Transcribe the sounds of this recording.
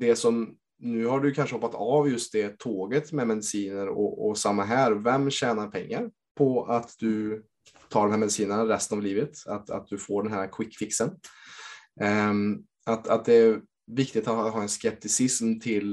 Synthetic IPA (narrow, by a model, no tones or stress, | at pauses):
d̪ɛsɔm | nʉ̟ːhaɖɵkʰanʂəhɔpːat̪avjɵst̪̚d̪ɛt̪ʰoːɡət̪mɛmɛd̪ɪsiːnəɾɔ̰ɔ̰samːaɦæːɾvɛmːɕɛːnaɾpʰɛ̰ŋːaɾ | pʰɔat̪d̪ɵ | t̪ʰɑːɖɔmɦæːɾmɛd̪siːnənaɾɛst̪ənavliːvət̪at̪a̰t̪̚d̪ɵfoːɖɛnɦæːɾakʰwɪkːfɪksən | at̪at̪̚d̪ɛːɾ | vɪk̚t̪ɪk̚t̪at̪ɦɑːɛnskɛp̚t̪ɪsɪsmt̪ʰɪl